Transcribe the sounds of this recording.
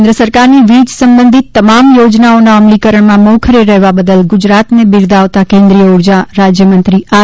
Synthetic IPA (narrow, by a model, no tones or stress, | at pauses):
nd̪ɾəsəɾkaɾniʋid͡ʒsəmbənd̪ʱit̪ːəmamjod͡ʒnaonaəmlikəɾəɳ̃mãmɔkʰɾeɾɛɦʋabəd̪əlɡʊd͡ʒɾat̪nebɪɾd̪aʋt̪akẽnd̪ɾijəuɾd͡ʒaɾad͡ʒjəmənt̪ɾiʔa